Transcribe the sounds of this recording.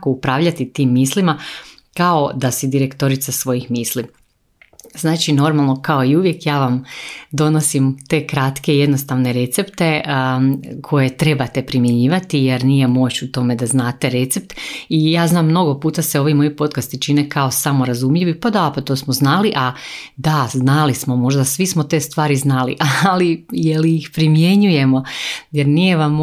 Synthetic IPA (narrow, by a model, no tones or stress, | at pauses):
koupɾaːʋʎat̪it̪iːmːiːslima | kao̞d̪asid̪iɾe̞kt̪o̞ɾit̪sasʋo̞jixmiːsli | znaːt͡ʃino̞ɾmalˠno̞kao̞iuʋje̞kjaːʋamd̪o̞no̞simt̪e̞kɾat̪ke̞je̞d̪no̞st̪aʋne̞ɾe̞t̪sept̪e̞ | kʰo̞je̞t̪ɾe̞bat̪e̞pɾimjeɲiːʋat̪ijeɾnije̞mo̞t͡ɕut̪o̞me̞d̪aznaːt̪e̞ɾe̞t̪sep̚t̪ijaːznaːmːno̞ɡo̞puːt̪aseo̞ʋimo̞jipo̞t̪̚kast̪it͡ʃinekʰao̞samo̞ɾazumʎiʋipad̪apat̪o̞ːsmoznaliʔad̪aznalismo̞mo̞ʒd̪asʋismot̪e̞ːst̪ʋaːɾiznalḭʔalijeliixpɾimje̞ɲuje̞mo̞jeɾnije̞ʋam